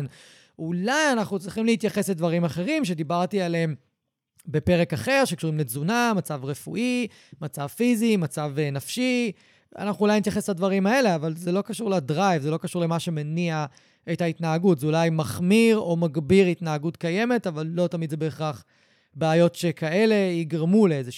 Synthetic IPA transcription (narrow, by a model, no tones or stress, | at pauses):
n | ulajanaχnut͡sʁiχimleit̪jaχesledvaʁimaχe̞ʁimʃe̞d̪ibaʁtiale̞m | be̞pe̞ʁe̞kaχe̞ʁʃekʃuʁimlezunamat͡savʁefṵʔi | mat͡savfizimat͡savnafʃi | a̰naχnuːlajnit̪̬jaχesladvaʁimae̞le̞avalzelo̞kaʃuʁladʁajvzelo̞kaʃuʁle̞maʃe̞menia | e̞thait̪naːɡutzeulajmaχmiʁo̞maɡbiʁit̪naːɡutkaje̞me̞tavalːo̞tamid̪zebeːχaχ | beːjo̞tʃekae̞le̞iɡʁamuleeze